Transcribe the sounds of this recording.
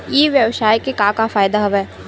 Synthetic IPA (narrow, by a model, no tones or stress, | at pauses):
jeːʋjɐʋsaːjkekaːkafaːjd̪aɦɐʋɛː